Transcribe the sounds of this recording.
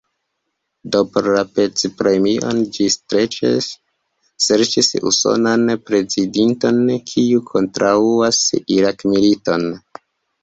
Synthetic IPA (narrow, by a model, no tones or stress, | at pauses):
dopoɾɾapet͡spɾe̞miʔo̞̰nd͡ʒistɾe̞t͡ʃḛ | se̞ɾt͡ʃisṵso̞̰nanpɾe̞zidinto̞nkʰiukʰo̞ntɾauasiɾakmilito̞n